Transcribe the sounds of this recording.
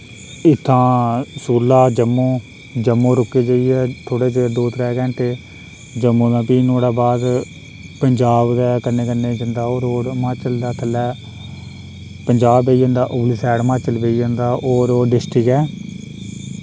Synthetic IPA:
ɪt̪ʰːãːsuːlːaːd͡ʒəmːõː | d͡ʒəmːõːɾʊkːeːd͡ʒəiːɛːt̪ʰoːɽeːt͡ʃed̪oːt̪ɾɛːkɛ̃ːɳʈeː | d͡ʒəmːõːd̪ãːpiːnoːɽaːbaːd̪ | pəɲd͡ʒaːbd̪ɛːkənːẽːkənːeːd͡ʒənd̪aːoːɾoːɾmãːt͡ʃəld̪aːt̪ʰəlːɛː | pəɲd͡ʒaːbːeiːd͡ʒə̃ːnd̪aːʔʊblɪsɛːɽmãːt͡ʃəlbeid͡ʒə̃nd̪aːʔoːɾoːɖɪsʈəkɛː

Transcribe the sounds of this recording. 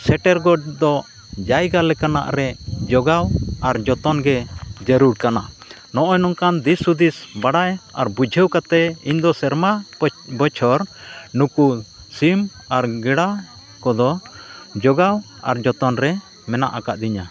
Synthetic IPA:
sɛʈɛɾɡɔd̪ɔ | d͡ʒajɡalɛkana̰ʔɾɛd͡ʒɔɡawaɾd͡ʒɔt̪ɔnɡɛd͡ʒəɾuɾkana | nɔʔɔjnɔŋkand̪isud̪isbaɽaja̰ɾbud͡ʒʱɛwkat̪ɛiɲd̪ɔsɛɾmabɔt͡ʃʰɔɾnuku | sim | aɾɡɛɽa | kɔd̪ɔd͡ʒɔɡaw | a̰ɾd͡ʒɔt̪ɔnɾɛ | mɛna̰ʔakaʔd̪iɲa

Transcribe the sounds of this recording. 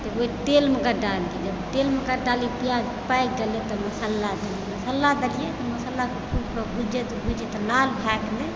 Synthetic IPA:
t̪ɔoiʈelmekəɖalkid͡ʒəbʈelmekaɖalipija | pajkɡelet̪ɔməsəlːad̪elijemɐsəlːad̪elijet̪ɔməsəlːakekʰubkəbʱud͡ʒet̪ɔbʱud͡ʒet̪ɔlalbʱɛkle

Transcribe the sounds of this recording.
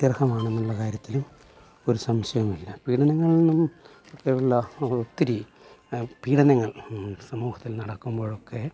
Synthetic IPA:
t̪irhɐmaːɳenːuɭːɐkaːɾjɐt̪ːilum | o̞ɾusɐmɕɐjɐmilːɐpiːɽɐnɐŋːɐɭnɐm | okːeuɭːɐot̪ːiɾi | piːɽɐnɐŋːɐɭsɐmuːhɐt̪ːilnɐɽɐkːumbo̞ːɭo̞kːe̞

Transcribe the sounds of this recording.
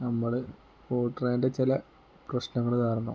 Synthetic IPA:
nɐmːuɽe | koːʈːɐreːndet͡ɕilɐ | prɐɕnɐŋːɐɭt̪aːrnːɐ̰

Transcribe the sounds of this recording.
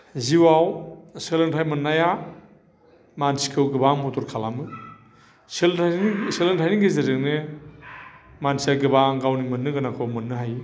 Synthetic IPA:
ziwawselɯntʰajmɯnːaja | mansi̥kʰɯwɡɯbamɔtɔɾkʰalamɯ | selselentʰajniŋɡeziɾɯk̚ne | mansiaɡɯbaɡawnimɯnːɯɡɯnakʰɯmɯnːɯɦaj

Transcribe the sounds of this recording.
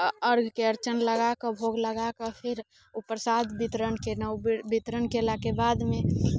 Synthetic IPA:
əɾɡʱkeəɾt͡ʃənləɡakəbʱoɡləɡakəpʰɪɾ | upəɾsat̪bit̪ɾənkenəbit̪ɾənkelakebad̪mẽ

